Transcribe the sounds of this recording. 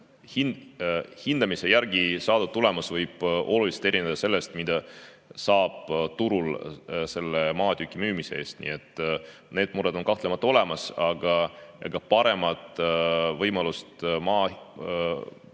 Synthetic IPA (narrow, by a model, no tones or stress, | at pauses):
hinhind̪̥ɑmisejæɾɡ̥isɑːd̪ut̪ːule̞mɑsvɤjb̥o̞lulise̥t̪e̞ɾined̪̥ɑse̞lːe̞st̪mid̪̥ɑ | sɑːb̥t̪uɾulse̞lːemɑːt̪ykːˑimyːmisee̞ːst̪nḭːet̪ːˑ | ne̞ːd̪̥muɾed̪̥o̞nkɑht̪lemɑt̪ˑːɑo̞le̞mɑsɑɡ̥ɑjɑ̰ɡ̥ɑpɑɾe̞mɑt̪ˑvɤjmɑlust̪mɑː